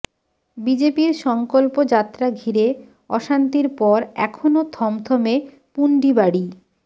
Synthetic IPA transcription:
bid͡ʑepiɾʃɔŋkolpod͡ʑat̪ːɾaɡʱiɾe | ɔʃant̪iɾpɔɾɛ̰kʰonot̪ʰɔmt̪ʰɔme | puɳɖibaɽi

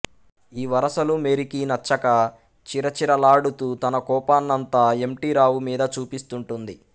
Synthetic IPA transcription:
iːʋɐɾɐsɐlume̞ɾikinɐt͡ʃːɐkɐ | t͡ʃiɾɐt͡ʃiɾɐlaːɽut̪uːt̪ɐnɐkɔːpaːnːɐnt̪aːe̞mʈiːɾaːwumiːd̪ɐt͡ʃuːpist̪uɳʈund̪i

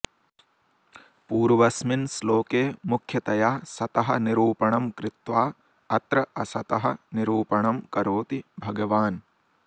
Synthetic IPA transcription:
puːɾʋɐsminsloːkeːmukʰjɐt̪ɐjaːsɐt̪ɐɦɐniɾuːpɐɳɐmkɾɪt̪ʋaː | ɐt̪ɾɐʔɐsɐt̪ɐɦɐniɾuːpɐɳɐmkɐɾoːt̪ibʱɐɡɐʋaːn

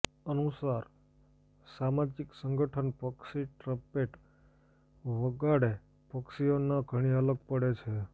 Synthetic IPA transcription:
ənusaɾ | samad͡ʒiksəŋɡəʈʰənpəksiʈɾəpeʈ | ʋəɡaɽe | pəksionaɡʱəɽ̃iələɡ̚pəɽet͡ʃʰe

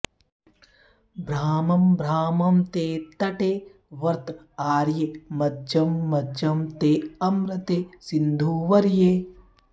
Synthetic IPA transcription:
bɾaːmɐmbɾaːmɐmt̪eːt̪ɐʈeː | ʋɐɾt̪ | aːɾjemɐd͡ʒɐmːɐd͡ʒɐmt̪eːɐmɾɐt̪eːsɪnd̪ʱuːʋɐɾjeː

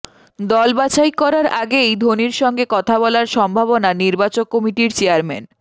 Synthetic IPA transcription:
d̪ɔlbat͡ɕajkɔɾaɾaɡejd̪ʱoniɾʃɔŋɡekɔt̪ʰabɔlaɾʃɔmbʱaβonaniɾbat͡ɕok̚kːomiʈiɾt͡ɕeaɾmɛn

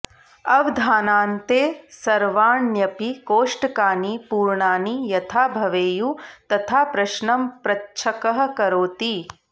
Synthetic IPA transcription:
ɐʋd̪ʱaːnaːnt̪eːsɐɾʋaːɳjɐpikoːʂʈɐkaːnipuːɾɳaːnijɐt̪ʰaːbʱɐʋeːjut̪ɐt̪ʰaːpɾɐʃɳɐmpɾɐtːʃʰɐkɐɦɐ̆kɐɾoːt̪i

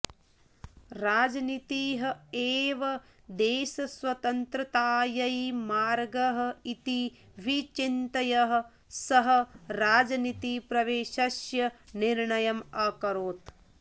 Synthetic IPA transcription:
ɾaːd͡ʒɐnit̪iːɦɐ̆eːʋɐ | d̪eːʃɐsʋɐt̪ɐnt̪ɾɐt̪aːjɐjimaːɾɡɐɦɐ̆it̪i | ʋit͡ʃint̪ɐjɐɦɐ̆ | sɐɦɐ̆ɾaːd͡ʒɐnit̪ipɾɐʋeːʃɐʃjɐniɾɳɐjɐmɐkɐɾoːt̪

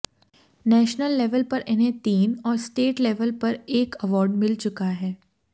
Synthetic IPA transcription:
nɛːʃnəlːɛʋəlpɐɾʔɪnɦẽt̪iːnɔːɾsʈeːʈlɛʋəlpɐɾeːkɐʋɔːɾɖmɪlt͡ʃʊkaɦɛː

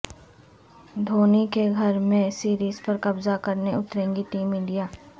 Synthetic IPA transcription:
d̪ʱoːnikeɡʱɐɾmẽsiːɾiːzpɐɾkɐbzakɐɾneʊt̪ɾẽːŋɡiʈiːmɪ̃ɳɖijaː

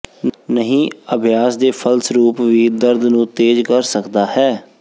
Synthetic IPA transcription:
nəɦĩːəbʱɪjaːsd̪eːpʰəlsɾuːpʋiːd̪əɾd̪nũːt̪eːd͡ʒkəɾsəkd̪aːhɛː

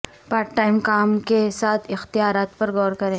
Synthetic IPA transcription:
paːɾʈʈaːɪmkaːmkesaːt̪ʰɪxt̪ijaːɾaːt̪pɐɾɡɔːɾkɐɾẽː

